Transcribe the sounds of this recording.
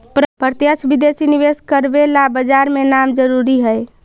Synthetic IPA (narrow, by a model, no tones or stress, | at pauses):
ppəɾt̪jəsbid̪esiniʋeskəɾbelabəd͡ʒaɾmenamd͡ʒəɾuɾiɦəj